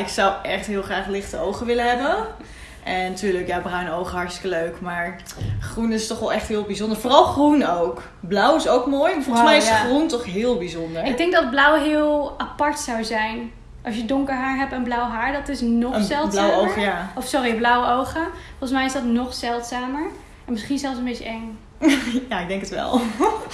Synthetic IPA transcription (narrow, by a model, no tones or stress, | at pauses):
ɪksʌwɛχtɦɪːlˠχraːχlɪχtəowχəʋɪləɦɛbən | ʔɛnːatyːɹləkjaːbrœɥnowχəɦɑɹtstɪ̥kəløɥkmaːɹ | χrunɪstɔχʋɛlˠɛχtɦɪːlˠbizɔndəɹvoːrɑlˠχrunowk | blʌwɪsowkmoːjfɔlˠəsmɛjɪsχruntɔχɦɪːlˠbizɔndəɹɪɡdɛŋk̚dɑd̚blʌwɦɪːlˠapɑɹtsawzɛjn | ʔɑsjədʊŋkəɹɦaːɹɦɛp̚tənblʌwɦaːɹdɑtɪsnɔsɛlˠlːoəχjaɔfsɔriblʌwəowχəfɔlˠχənsmɛjɪsdɑtnɔχsɛlˠtsaːməɹ | ɛnmɪsχinzɛlˠfs̬ənbejtəʔɛŋ | jaːɪɡ̚dɛŋkətʋɛ̰lˠ